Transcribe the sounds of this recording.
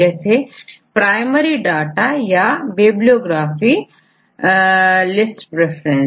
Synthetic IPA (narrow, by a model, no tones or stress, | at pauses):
ɛːsepɾaːɪməɾiɖaːʈajabeːblioːɡɾaːfi | lɪsʈpɾɛfʰɾẽn